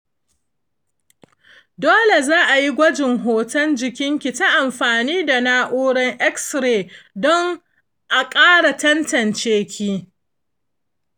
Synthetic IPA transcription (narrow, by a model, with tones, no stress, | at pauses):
doː˦le˨zaː˦ʔa˨ji˦ɡʷɐ˦d͡ʒɪ˨ŋɦoː˨tɐ˦nd͡ʒɪ˨kʲɪ˦ŋkʲi˨ta˦ʔa˨mɸaː˨niː˦da˨naː˦ʔuː˦ɽɐ˦ŋʔɛ˦ksɾeː˨dɔ˦ŋ | ʔa˨kʼaː˦ɽa˨tɐ˦ntɐ˨nt͡ʃeː˦kʲʰiː˦